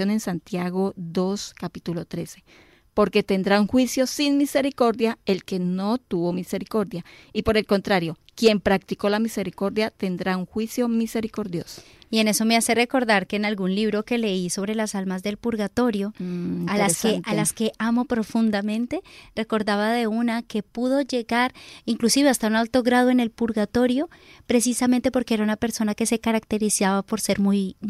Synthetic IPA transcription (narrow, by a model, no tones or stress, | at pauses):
one̞nsant̪jaɣo̞ðo̞skapit̪ulot̪ɾe̞se̞̥ | po̞ɾke̞t̪e̞nd̪ɾauŋxwisjo̞sinmise̞ɾiko̞ɾðjae̞lke̞no̞t̪uβo̞mise̞ɾiko̞ɾðjaipo̞ɾe̞lko̞nt̪ɾaɾjo̞ | kje̞mpɾak̚t̪iko̞lamise̞ɾiko̞ɾðjat̪e̞nd̪ɾauŋxwisjo̞mise̞ɾiko̞ɾðjo̞so̥ | ie̞ne̞so̞me̞ase̞re̞ko̞ɾðaɾke̞ːnalɣunliβɾo̞ke̞le̞iso̞β̞ɾe̞lasalmazd̪e̞lpuɾɣat̪o̞ɾjo̞alakeʔalaske̞ʔamo̞pɾo̞fund̪amẽ̞nt̪e̞re̞ko̞ɾðaβaðe̞unake̞puð̞o̞ʝe̞ɣaɾiŋklusiβe̞ast̪aunalt̪o̞ɣɾaðoe̞ne̞lpuɾɣat̪o̞ɾjo̞pɾe̞s̬isament̪e̞po̞ɾke̞eɾaunape̞ɾso̞nake̞se̞kaɾakt̪e̞ɾisaβapo̞ɾse̞ɾmuj